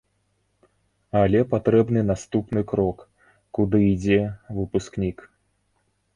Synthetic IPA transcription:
alʲɛpat̪ɾɛbnɨnast̪upnɨkɾɔk | kud̪ɨid͡zʲɛvɨpusknʲik

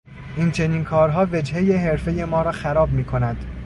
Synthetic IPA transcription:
ʔint͡ʃʰe̞niːnkʰɒːɾɦɒːved͡ʒhe̞jeɦeɾfe̞je̞mɒːɾɒːxæɾɒːbmiːkʰo̞næd̪̥

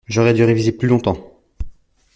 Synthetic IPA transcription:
ʒɔʁɛd̪yʁevizeplylɔ̃t̪ɑ̃

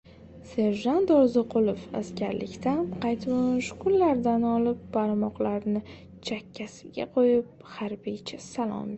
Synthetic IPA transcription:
se̞ɾʒant̪ɒɾzoqʰʊlˠofa̰skʲaɾlɪ̰kʲt̪aqʰɑjt̪moʃʊkʊlːaɾd̪anɒlɪp̚ːaɾmɒqlaɾnɪ | t͡ʃʰakʲʰːasɪ̥ɡʲa̰qʰojɪp̚haɾbit͡ʃʰasalˠɒ̰m

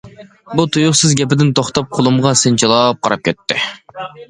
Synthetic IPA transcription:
but̪ʰujuχsɨzɡʲɛpɪd̪ɪnt̪ʰoχt̪ɑp̚qʰolˠumʁɑsɪnt͡ʃʰɑlˠɑːp̚qʰɑɾɑp̚kʲʰɛt̪ːɪ

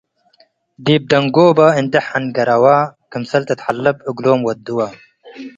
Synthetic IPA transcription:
d̪iːb̚d̪ɐŋɡoːbɐind̪ɐħɐnɡɐɾɐwaːkɨmsɐlt̪ɐt̪ħalːɨb̚ɨɡloːmwɐt̪̚d̪uwa

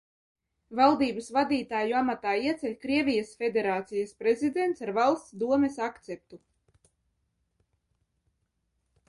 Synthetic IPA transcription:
valˠd̪iːbasvad̪iːt̪aːjuamat̪aːiɛt̪sʲɛlʲkɾiɛvʲijasfʲed̪ʲeɾaːt̪sijaspɾezid̪ent̪saɾvalˠst̪sd̪uɔmɛsakt̪sɛp̚t̪u

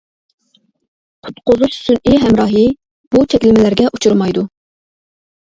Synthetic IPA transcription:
qʰʊ̥t̪qʊzˠuʃsyniɦɛmɾɑːɦɨ | b̥ut̪ʰɛkʲlɪmɪlæɾɡʲɛʔut͡ʃʰuɾmɑjd̪u

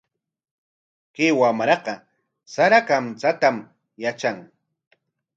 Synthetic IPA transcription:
kewamɾɑqɑ | saɾakamt͡sat̪am | jat͡ʃaŋ

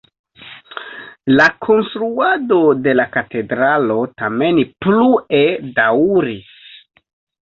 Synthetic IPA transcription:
lakʰo̞nstɾuado̞de̞lakate̞dɾalo̞tame̞npluedawɾis

